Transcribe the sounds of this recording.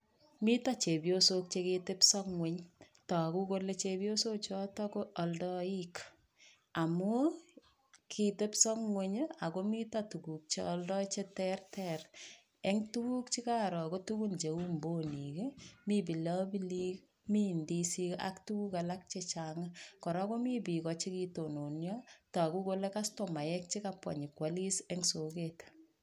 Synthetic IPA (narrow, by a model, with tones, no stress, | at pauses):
mi˦tat͡ʃe˨bjosok̚t͡ʃe˧kete˦psɔkŋwe˨ɲ | tɔ˨ku˦ko˦le˦t͡ʃebjo˦so˦k̚t͡ʃɔ˦tɔ˦koː˦˨ldɔ˦ik | a˨mu˦ | kʰi˨te˦psɔŋŋweɲa˨ko˦mi˦tatu˨ku˨k̚t͡ʃeɔ˦ldɔ˦t͡ʃe˦tɛrtʰɛr | e˦ŋtu˦ku˦k̚t͡ʃi˦ka˦ɾɔ˨kotuku˦nt͡ʃe˨u˦mbo˦nike˦mi˦b̬i˨lɔ˦bi˦li˦k | mi˦ndisi˦ka̰ktu˦ku˦ka˨lak̚t͡ʃet͡ʃaŋakɔ˨ɾako˦mi˦pi˨kɔt͡ʃi˦kito˨no˨njɔta˨ku˦ko˦le˦kastɔ˨ma˨jɛk̚t͡ʃi˦kapwa̰˨ɲi˨kwa˦li˦sɛ˦ŋso˨ket